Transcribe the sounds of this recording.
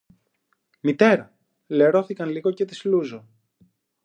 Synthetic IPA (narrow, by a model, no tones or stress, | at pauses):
mit̪e̞ɾɐ | leɾo̞θikɐnliɣo̞ce̞t̪izluzo̞